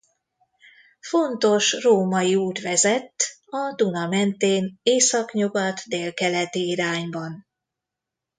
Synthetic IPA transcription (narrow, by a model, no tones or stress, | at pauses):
fo̞nt̪o̞ʃroːmɒjiuːt̪ʋɛzɛt̪ːɒd̪unɒmɛnt̪eːneːsɒkɲuɡɒt̪d̪eːlkɛlɛt̪iiɾaːɲbɒn